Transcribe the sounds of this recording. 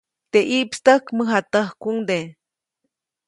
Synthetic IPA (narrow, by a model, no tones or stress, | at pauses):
t̪eʔiʔpst̪əkməɦat̪əhkuŋd̪e